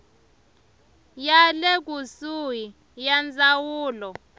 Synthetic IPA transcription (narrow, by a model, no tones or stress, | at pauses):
jalɛk̬ʼusuji | jand͡zʱawuːlɔ